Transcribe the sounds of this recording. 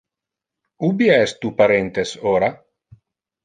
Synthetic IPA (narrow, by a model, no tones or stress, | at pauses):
ubiaɛst̪upaɾent̪esoːɾa